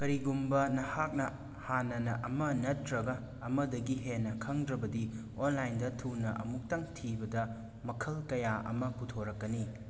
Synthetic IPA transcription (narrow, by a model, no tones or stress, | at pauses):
kɐɾiɡumbɐnɐhak̚nɐ | hanɐnɐʔɐmɐnɐtɾɐɡɐː | mɐdɐɡiɦenːɐkʰɐŋdɾɐbɐdi | onlajndɐtʰunɐʔɐ̰muk̚taŋtʰibɐdɐ | mɐkʰɐlkɐjaʔɐ̰mɐputʰoɾɐkːɐni